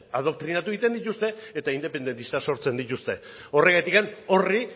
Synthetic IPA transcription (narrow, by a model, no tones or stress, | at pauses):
aðo̞kt̪ɾinat̪uit̪e̞nd̪it̪ust̪e̞et̪aind̪e̞pe̞nd̪e̞nt̪ist̪aso̞ɾt͡se̞nd̪it̪ust̪e̞ | o̞re̞ɣat̪ikano̞ri